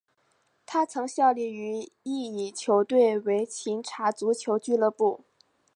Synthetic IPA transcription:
t̪ʰa˥t͡sʰɤ˧˥ŋɕjɑ˥˧ʊli˥˩y˧˥i˥˩i˨˩t͡ɕʰjo˧˥ʊt̪we˥˩ɪwe˧˥ɪt͡ɕʰi˧˥ŋʈ͡ʂʰa˧˥t͡su˧˥t͡ɕʰjo˧˥ʊt͡ɕy˥˧lɤ˥˧pu˥˩

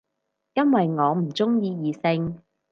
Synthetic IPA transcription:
jɐ˥nwɐ˨jŋɔː˨˧m̩˨˩t͡sʊ˥ŋjiː˧jiː˨˧sɪ˧ŋ

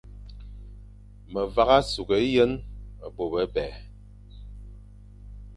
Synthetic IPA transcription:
mə˨va˦ɣa˦su˨ɣə˨˦jə˦nə˨bo˨bə˦bɛ˨

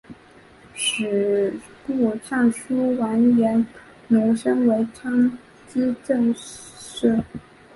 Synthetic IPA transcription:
ʂɻ̩˨˩ | ku˥˩ʈ͡ʂʰɑ˥˩ŋʂu˥wa˧˥njɛ˧˥n | nʊ˧˥ŋʂɤ˥ŋwe˧˥ɪʈ͡ʂʰɑ˥ŋ | t͡ɕi˥ʈ͡ʂɤ˥˧ŋ | ʂɻ̩˥˩

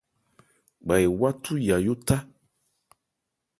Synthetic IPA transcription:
ɡ͡ba˨je˨wa˦t̪ʰu˦ja˨jo˦t̪a˦

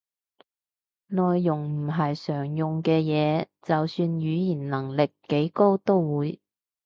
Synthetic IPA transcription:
nɔː˨jːʊ˨˩ŋm̩˨˩ɦɐ˨jsœː˨˩ŋjʊ˨ŋkɛː˧jɛː˨˧t͡sɐ˨wsyː˧njyː˨˧jiː˨˩nlɐ˨˩ŋlɪ˨kːe˨˥jko˥wt̪o˥wwuː˨˧j

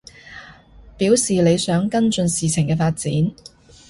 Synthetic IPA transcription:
piː˨˥wsiː˨le˨˧jsœː˨˥ŋkɐ˥nt͡ʃɵ˧nsiː˨t͡sʰɪ˨˩ŋkɛː˧faː˧t̚t͡siː˨˥n

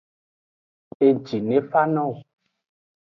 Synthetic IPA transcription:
e˨d͡ʒi˨ne˦fa˦nɔ̃˦˨w

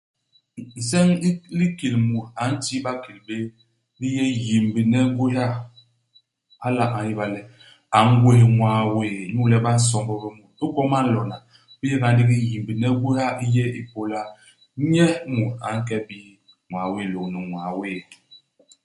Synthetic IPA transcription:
i˨sɛ˦ŋ˦li˦ki˨lmu˨ɾa˨˦n̩˦ti˦ba˦ki˨lbe˦ | bi˦jɛ˦ji˨m˨bi˨nɛ˦ɡe˦a˦˨ | a˦la˦ʔa˨i˦ba˨lɛ˨ | a˨ŋ˦ɡwe˦˨ŋwa˨we˦˨ɲu˦lɛ˦ba˦n̩˦s̬ɔ˦mbɔ˦be˦mu˨t̚o˦kɔ˦ma˦n̩˦lɔ˨na˨ | bi˦je˦ka˨n˦di˦ɡi˦ji˨mbi˨nɛ˦ɡe˦a˦i˦je˦i˦po˨la˦ | ɲɛ˦mu˨ɾa̰˨˦ŋ̩˦k̬ɛ˦bi˦ | ŋwa˨we˦˨lo˨kni˨ŋwa˨weː˦˨

